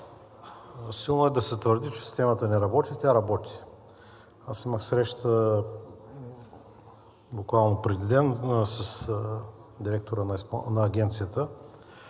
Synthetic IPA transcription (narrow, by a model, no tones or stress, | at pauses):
silˠnoɛd̪ɐsɛt̪vəɾd̪it͡ʃɛ̥si̥st̪ɛmət̪ənɛɾɐbɔt̪ʲit̪ʲaɾɐbɔt̪ʲi̥ | asiməxsɾɛʃt̪ə | bʊkvalˠnopɾɛd̪id̪ɛnsəs | d̪iɾɛk̚t̪oɾənpnɐːɡʲɛnt̪sijət̪ə